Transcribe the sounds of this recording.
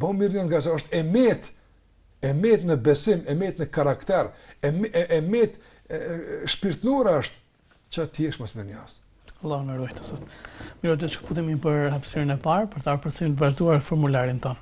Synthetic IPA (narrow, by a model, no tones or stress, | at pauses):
bɔmiɾɲɔsɡasaɔʃt̪ɛmɛt̪ | ɛmɛt̪nəbɛsimɛmɛt̪nəkaɾakt̪ɛɾɛʔɛmɛt̪ | ʃpiɾt̪nuɾaəʃt̪̚ | t͡ʃat̪jɛʃmɔsmiɾɲɔs | alˠːɔhnəɾujt̪ɔ̥θɔt̪miɾɔd̪ɛt͡ʃʃku̥put̪̬imipəɾhapsiɾinɛpaɾpɔɾt̪aɔɾpəɾt͡sinit̪vaʒd̪uaɾfɔɾmulaɾint̪ɔn